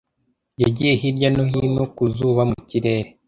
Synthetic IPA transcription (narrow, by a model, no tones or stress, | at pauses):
jaɟije̞ɦiɾɟanoɦinokuzuːβamuciɾe̞ːɾe